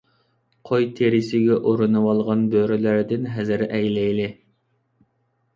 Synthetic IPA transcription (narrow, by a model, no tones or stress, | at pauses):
qʰojt̪ʰeɾɪsɪɡʲɛʔoɾɨnɨwɑlˠʁɑnbøɾylæɾd̪ɪnɦɛzɪɾɛjlɛjlɪ